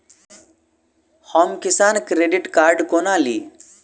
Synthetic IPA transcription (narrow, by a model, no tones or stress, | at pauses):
hɔːmkɪsaːnkɾeɖiʈkaːɾɖkoːnaːlḭː